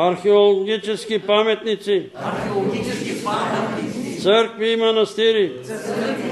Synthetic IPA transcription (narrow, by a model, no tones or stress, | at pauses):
aɾxiolɡit͡ʃeskipaːmet̪nit͡si | səɾk̚ʋimɐnɐst̪iɾi